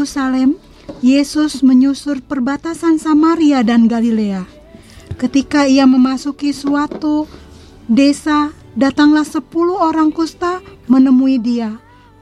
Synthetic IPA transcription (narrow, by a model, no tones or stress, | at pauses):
usalɛm | jɛsʊsməɲusʊrpərbat̪asansamaɾiadanɡalilea | kət̪ikaiaməmasukisuat̪u | desa | dat̪aŋlahsəpuluhoɾaŋkust̪amənəmuidia